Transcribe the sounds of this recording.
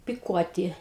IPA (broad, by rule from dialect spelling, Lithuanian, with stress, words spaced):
pʲɪˈkuɔtʲɪ